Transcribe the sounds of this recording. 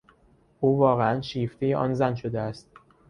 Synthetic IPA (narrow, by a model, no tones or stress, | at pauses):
ʔuːvɒːɣeænʃiːft̪ʰejeʔɒ̰ːnzænʃod̪eæst̪̚